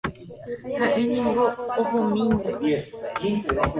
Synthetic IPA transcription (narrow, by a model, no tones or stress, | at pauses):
haʔeɲĩŋɡooɦõmĩnẽ